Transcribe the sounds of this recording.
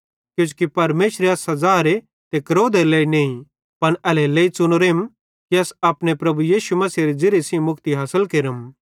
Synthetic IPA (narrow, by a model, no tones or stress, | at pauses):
kjʊ̃t͡ʃu̥kipɐɾmeːʃɾeɐsɐzaːɾe | t̪ekɐɾoːd̪eleːinẽːĩ | pɐnɐleleːit͡sʊnoɾeːm | kiɐsɐpnepɾɐbujiːʃumɐsiːɾid͡zɪɾesĩmʊkt̪iɦaːsəlkeːɾəm